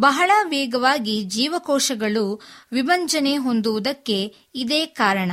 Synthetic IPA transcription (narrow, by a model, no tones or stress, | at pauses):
bɐɦɐɭɐʋɛːɡɐʋaːɡid͡ʒiːʋɐkɔːʂɐɡɐɭuʋibɐɲt͡ʃɐne̞ɦo̞nd̪uʋud̪ɐkːe̞ | id̪eːkaːɾɐɳɐ